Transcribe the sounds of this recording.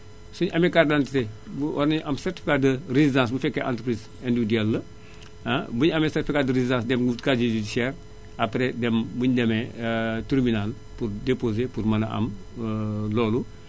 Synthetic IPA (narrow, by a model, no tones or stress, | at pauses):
suɲɐmɛkardantitebuwɔɾneɲʔɐmsɛrtifikadərezidãs̬bufɛkːɛʔã̰ːntɾəpɾiz | ɛndudiɛlːɐ | abuɲɐmɛsɛtifikadəɾezidãːsdɛmɡutkad͡ʒid͡ʒidisɛr | ɐpɾedɛmbuɲdɛmɛtiɾminal | purdepozepurmɐnɐʔɐ̰m | lɔːlu